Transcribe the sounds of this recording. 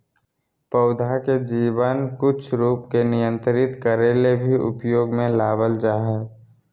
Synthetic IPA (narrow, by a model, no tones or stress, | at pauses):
pəʊd̪ʱaked͡ʒiːbənkʊt͡ʃʰɾuːpkenɪjə̃nt̪ɾəɾɪt̪kəɾeːlebʱiʊ̰pjoːɡmẽlaːʋəld͡ʒaːɦe